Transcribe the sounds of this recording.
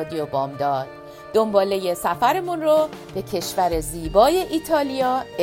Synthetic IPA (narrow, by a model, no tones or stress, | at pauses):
d̪ijobɒːmd̪ɒːd̪̥̚ | d̪̥o̞mbɒːle̞je̞sæfæɾe̞munro | b̥e̞cʰe̞ʃvæɾe̞ziːbɒːje̞ʔiːt̪ʰɒːlijɒːe